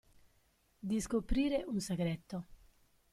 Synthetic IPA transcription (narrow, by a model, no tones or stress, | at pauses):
d̪iskopɾiːɾeʔunsaɡɾɛt̪ːo